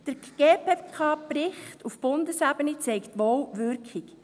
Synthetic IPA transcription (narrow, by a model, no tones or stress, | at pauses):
d̥əɾɡ̥eːpekʰɑːbrɪχtʰufb̥ʊndəsæbənit͡sɛɪktʋowʋʏɾkχik